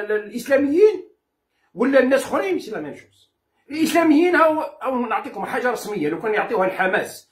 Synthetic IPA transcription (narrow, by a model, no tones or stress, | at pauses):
lʔəslæməjːin | wəlːænːæsxʊɾiməsilænænʃu̥s | əlʔəslæməjːinhæwhwnoʕt̪ˤikʊmħaʒːɑɾˤɑsməjːaləwkænjoʕt̪ˤihælħamæs